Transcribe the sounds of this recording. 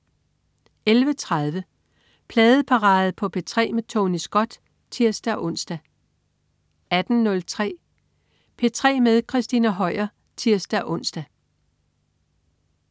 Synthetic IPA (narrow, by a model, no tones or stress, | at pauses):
elʋət͡sʰʁɑð̞ˠʋə | pʰlɛːð̩ˠəpʰɑ̈ʁɑ̈ːð̩ˠpʰɒ̽pʰe̝t͡sʰʁɛ̰ːmet͡sʰoːnisɡ̥ɒ̽d̥ | t͡sʰiɐ̰sd̥æʔɔ̽n̰sd̥æ | æd̥n̩nɔ̽lt͡sʰʁɛ̰ː | pʰe̝t͡sʰʁɛ̰ːmeðˠkʰʁɛsd̥inæɦɒɪ̰ɐ | t͡sʰiɐsd̥æʔɔ̽n̰sd̥æ